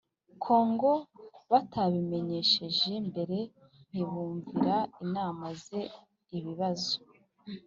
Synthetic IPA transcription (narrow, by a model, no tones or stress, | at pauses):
kʰo̞ːŋɡo̞βataβime̞ɲe̞ʃe̞ʒe̞mbe̞ɾe̞ | n̥iβuːɱviɾainaːmaze̞ | iβiβazo̥